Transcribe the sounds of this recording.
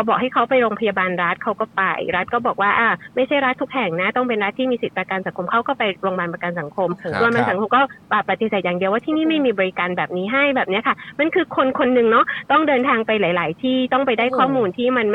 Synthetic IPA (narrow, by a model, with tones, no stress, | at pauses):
bɔː˨˩k̚ha˥˩jkʰa˦˥wpa˧jɾoː˧ŋpʰa˧jaː˧baː˧nɾa˦˥t̪̚kʰa˦˥wkɔː˥˩pa̰˧jɾa˦˥t̪̚kɔː˥˩bɔː˨˩k̚waː˥˩ʔaː˧˩ma˥˩jt͡ɕʰa˥˩jɾa˦˥t̪ʰːu˦˥k̚hɛ˨˩ŋna˦˥t̪ɔ˥˩ŋpe˧nɾa˦˥t̪ʰːiː˥miː˧si˨˩t̪̚pɾa˧kaː˧nsa˩˦ŋkʰo˧mkʰa˦˥wkɔː˥˩pa˧jɾoː˧ŋmaː˧npa˧ka˧nsa˩˦ŋkʰo˧msu˧əmba˧sa˨˩˦ŋkʰo˧mkɔː˥˩paː˨˩pːa˨˩t̪ːi˨˩seː˨˩t̪̚jaː˨˩ŋdi˧əwaː˥˩t̪ʰiː˥˩niː˥˩ma˥˩jmiː˧bɔː˧ɾi˦˥kaː˧nbɛː˨˩p̚niː˦˥ɦa˥˩jbɛː˨˩p̚ni˦˥ɐkʰa˥˩ma˧˨nkʰɯː˧kʰo˧nkʰo˧nːɯ˨˩ŋnɔ˦˥t̪ɔ˥˩ŋdɤː˧nt̪ʰaː˧ŋpa˧jlaː˩˦jlaː˩˦jt̪ʰiː˥˩t̪ɔ˥˩ŋpa˧jdaː˥˩jkʰɔː˥˩muː˧nt̪ʰiː˥˩ma˧nm